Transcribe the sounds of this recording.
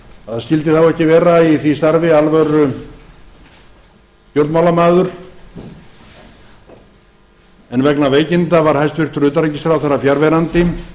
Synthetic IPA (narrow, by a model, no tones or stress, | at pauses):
aðascɪlt̪ɪθawɛhcɪvɛːɾaiθvist̪aɾvɪalvœɾʏ | pjowɾt̪mawlamaːðʏɾ̥ | ɛnvɛknaveːjcɪnt̪avaɾ̥hajst̪vɪr̥t̪ɾʏːt̪aɾɛcɪst̪ɾawθaɾːafjaɾvɛɾant̪ɪ